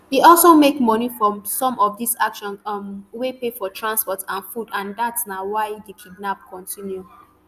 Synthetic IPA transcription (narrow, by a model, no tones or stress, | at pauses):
iɔlˠsomekmɔnifɹɔ̃msɔ̃mɔfdisakʃɔ̃nmwepefɔtʰɹãnspɔtãnfudãndatsnawaɪdikʰiɡ̚nap̚kʰɔ̃ntʰĩnju